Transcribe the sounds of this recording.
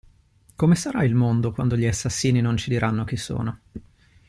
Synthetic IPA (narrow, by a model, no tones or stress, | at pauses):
komesaɾailmond̪okwand̪oʎiasːasːiːninont͡ʃid̪iɾʔanːok̟isːo̰ːno